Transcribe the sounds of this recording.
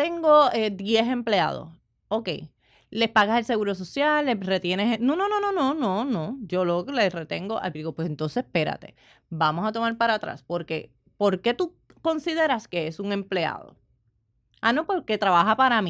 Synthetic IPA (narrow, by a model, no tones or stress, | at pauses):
t̪e̞ŋɡo̞ed̪je̞se̞mplea̰ð̞o̞̰s | o̞ke̞̰j | le̞spaɣase̞lse̞ɣuɾo̞s̬o̞sjalːere̞t̪je̞nesenono̞no̞no̞nõ̞no̞nõ̞d͡ʒo̞loɣlere̞t̪e̞ŋɡoʔa̰d̪iɣopwese̞nt̪o̞nsepe̞ɾa̰t̪e̞̥̰ | bamo̞sat̪o̞maɾpaɾat̪ɾa̰spo̞ɾke̞̰ | po̞ɾke̞t̪u | ko̞nsiðe̞ɾaske̞esuŋe̞mple̞a̰ðo̞̰ | ano̞po̞ɾke̞t̪ɾaβaɦapaɾami